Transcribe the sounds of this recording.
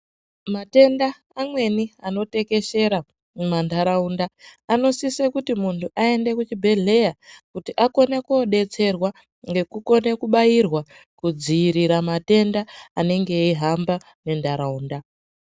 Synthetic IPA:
mate̞ndaː | mwe̞niano̞te̞ke̞ʃe̞ɾa | mandʱaɾaundaːno̞sisekutimuntʰuʔae̞nde̞kut͡ʃibʱe̞ɮe̞jakutiʔako̞ne̞koɗe̞t͡se̞rwa | ŋɡe̞kuko̞nekuɓajirwa | kud͡ziːɾiɾamate̞ndaːne̞ŋɡe̞iɦamba | ne̞ndʱaɾauːnda

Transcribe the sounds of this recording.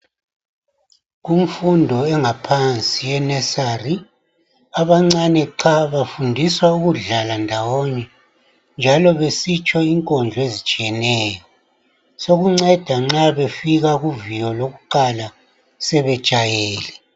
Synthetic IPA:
ɣum̩fundʱɔɛŋapʰant͡sʼijɛnɛsari | aβaŋ͡ǀanɛǁʰaβafundʱiswauɣuɮalandʱawɔnɛ | nd͡ʒʱalɔβesit͡ʃʼɔiŋkʼɔnd͡ɮʱɔezit͡ʃʼijɛnɛːjɔ | soɣuŋ͡ǀɛd̥ʱaŋ͡ǁaβefiɣaɣuvijɔloɣuǃala | sɛβɛ̥ʒ̥ʼʱajeːlɛ

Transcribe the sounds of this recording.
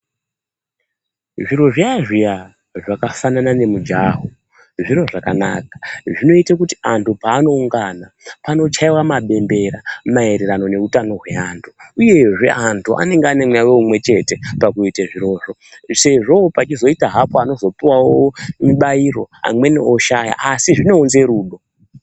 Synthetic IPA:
ʐiɾo̞ʐiaʐija | ʐakafananane̞mud͡ʒaɦo | ʐiɾo̞ʐakana̰ːkḁʐino̞itakutiantʰupaːno̞uŋɡana | pano̞t͡ʃaiwamaɓe̞mbe̞ɾamae̞ɾe̞ɾano̞ne̞utano̞ɦwe̞aːntʰuuje̞ʐe̞̰ʔantuʔa̰ne̞ŋɡeane̞mwaweumwe̞t͡ʃe̞te̞pakuiteʐiɾo̞ːʐo̞se̞ʐo̞pat͡ʃizo̞itaɦapoano̞zo̞piwawomiɓaiɾo̞a̰mwe̞neʔoʃaja̰ʔasiʐine̞ːnze̞ɾuːɗo̞

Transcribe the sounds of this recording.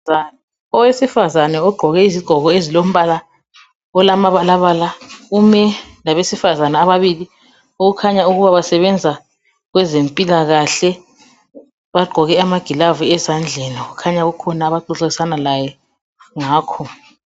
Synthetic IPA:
al | ɔwesifazanɛɔɡ͡ǃʱɔɣɛiziɡ͡ǃ̥ʱɔɣɔezilom̩βala | ɔlamaβalaβaːlaumɛlaβesifazanaːβaβili | uɣukʰaɲauɣuβaβasɛβɛnd͡zʱa | ɣwɛzempʼilaɣaɬɛ | βaɡ͡ǃʱɔɣɛamaɡ̥ʱilavuɛzand͡ɮʱeniuɣukʰaɲaɣukʰɔnaːβaǃuɬeisanalajɛ | ŋaːkʰɔ

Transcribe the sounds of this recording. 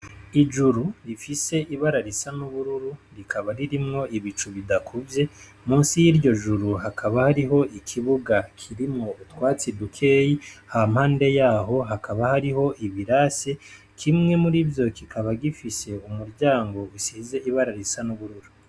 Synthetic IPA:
id͡ʒuɾuɾifise̞ʔiβaɾaɾisanuβuɾuɾuɾikʰaβaɾiɾimŋo̞ʔiβit͡ʃuβidakʰuvje̞ | muːnsijiɾɟo̞ʒuɾuɦakʰaβahaɾiɦo̞ʔikʰiβuɡakʰiɾimŋo̞utwaːt͡sidukʰe̞ːjiham̥haːnde̞jaːɦo̞ɦakʰaβahaɾiɦo̞ʔiβiɾase | kʰimŋe̞muɾivjo̞kikʰaβaɡifise̞umuɾɟaːŋɡo̞usize̞ʔiβaɾaɾisanuβuɾuɾu

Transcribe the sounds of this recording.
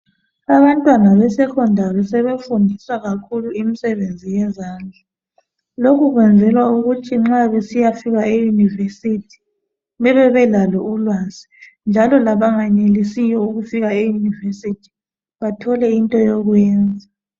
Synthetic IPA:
aβantʼwanaβɛsɛkʰɔndʱaβɛsɛβefundʱisaɣakʰuluimisɛβend͡zʱijɛzaːnd͡ɮʱa | lokʰuɣwɛnd͡zʱɛlwauɣutʰiŋ͡ǁaβesijafiɣaejunivesitʰi̥ | βɛβɛβɛlalɔulwazi̥ | nd͡ʒʱalɔlaβaŋaɲelisijɔuɣufiɣaejunivesitʰi̥ | βatʰɔlɛintʼɔjɔɣwɛːnd͡zʱa

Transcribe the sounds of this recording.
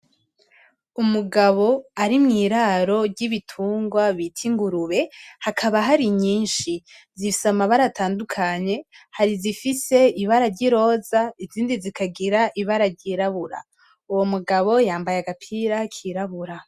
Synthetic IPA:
umuɡaβo̞aɾimŋiːɾaɾo̞ɾɟiβitʰuːŋɡwaβitʰiŋɡuɾuβe̞hakʰaβaɦaɾiɲiːnʃizifi̥samaβaɾatʰaːndukʰaɲe̞haɾizifise̞iβaɾaɾɟiɾo̞ːzaiziːndizikʰaɡiɾaʔiβaɾaɾɟiːɾaβuɾa̰ | uwo̞muɡaβo̞jaːmbajaɡapʰiɾakʰiɾaβuɾa

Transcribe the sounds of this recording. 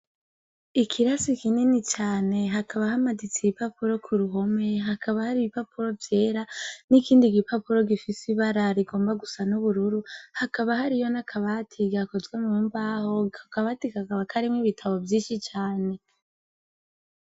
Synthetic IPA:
ikʰiɾasikininit͡ʃaːne̞ɦakʰaβaɦamadit͡siipapuɾo̞kʰuɾuɦo̞me̞ɦakʰaβahaɾiβipapuɾo̞vje̞ːɾanikiːndiɡipapuɾo̞ɡifisiβaɾaɾiɡo̞ːmbaɡusanuβuɾuɾuhakaβaɦaɾijo̞nakʰaβatʰiɡakozɡwemuːmbaːho̞akaβatikakaβakʰaɾimŋiβitʰaβo̞vjiːnʃit͡ʃaːne̞

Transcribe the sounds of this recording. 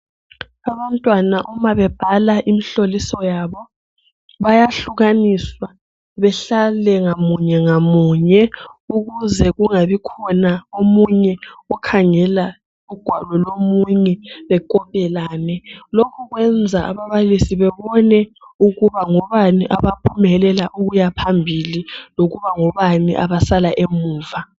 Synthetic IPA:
aβantʼwanaʔumaβɛb̥ʱalaʔimiɬolisɔjaːβɔ | βajaɬuɣaniswa | βɛɬalɛŋamuɲɛŋamuɲɛuɣuzɛɣuŋaβikʰɔnaomuɲɛɔkʰaŋɛla | uɡ̥ʱwalɔlomuɲɛβɛkʼɔpʼɛlaːnɛlokʰuɣwɛnd͡zʱaʔa̰βaβalisiβɛβɔnɛ | uɣuβaŋɔβaniʔaβapʰumɛlɛlaʔuɣujapʰambʱililoɣuβaŋɔβanḭʔa̰βasalaʔemuːva

